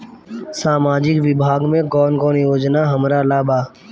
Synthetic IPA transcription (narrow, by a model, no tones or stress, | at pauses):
saːmaːd͡ʒɪkʋɪbʱaːɡmẽɡɔːnɡɔːnjoːd͡ʒnaɦɐmɾalaːbaː